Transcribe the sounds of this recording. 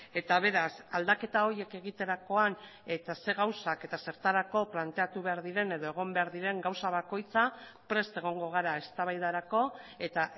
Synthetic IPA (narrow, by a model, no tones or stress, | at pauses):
e̞t̪aβ̞e̞ɾasald̪ake̞t̪ao̞ɾie̞ke̞ɣ̞it̪e̞ɾako̞an | e̞t̪ase̞ɣawsake̞t̪ase̞ɾt̪aɾako̞plant̪e̞at̪uβe̞aɾðiɾe̞ne̞ðo̞e̞ɣ̞o̞mbe̞aɾðiɾe̞ŋɡawsaβako̞jt͡sapɾe̞st̪e̞ɣ̞o̞ŋɡo̞ɣ̞aɾae̞st̪aβajðaɾako̞e̞t̪a